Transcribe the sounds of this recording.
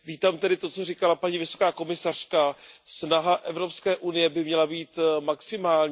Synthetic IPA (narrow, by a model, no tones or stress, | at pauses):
viːt̪aːmt̪ɛdɪt̪o̞t͡sorɪkalapaɲivɪso̞̥kaːko̞mɪsar̝̥kasnaɦaʔɛvɾo̞pskɛːʔunɪjɛbɪmɲɛlabiːt̪maksɪmaːlɲ